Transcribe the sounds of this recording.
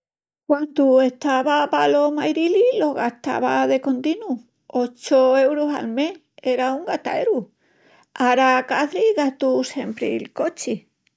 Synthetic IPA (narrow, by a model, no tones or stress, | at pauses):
kwand̪ue̞ht̪aβapalo̞majɾililo̞ɣaht̪a̰βaðe̞ko̞nt̪inu | o̞t͡ʃoe̞wɾosa̰lme̞h | e̞ɾauŋɡat̪a̰eɾu | aɾakaθɾiɣat̪use̞mpɾḭlko̞t͡ʃi